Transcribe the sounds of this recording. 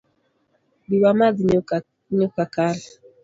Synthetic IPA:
biwamaði | ɲɔkakala

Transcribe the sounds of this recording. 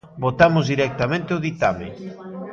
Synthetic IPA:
bot̪amʊzðiɾɛk̚t̪amẽnt̪eoðit̪amɪ̰

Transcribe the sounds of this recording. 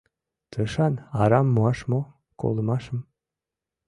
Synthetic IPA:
t̪ʰəʃɑnɑɾɑmːuɑʃmo | ko̰lˠmɑʃəm

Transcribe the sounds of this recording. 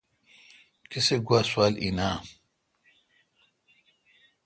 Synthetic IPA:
kiseɡwaːswaːlḭnaː

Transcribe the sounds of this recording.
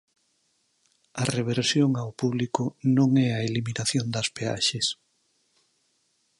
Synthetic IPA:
ɐreβ̞eɾsjoŋawpuβlikʊnõŋɛɐeliminaθjond̪ɐspea̰ʃes

